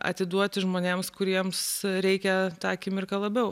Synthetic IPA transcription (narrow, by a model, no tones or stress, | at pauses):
ɐ̰t̪ʲɪd̪uɔt̪ʲʒmoːnʲeːmskʊɾʲiɛmsɾʲɛɪkʲɛt̪ɑːkʲɪmʲɪrkɐlˠɐbʲɛʊ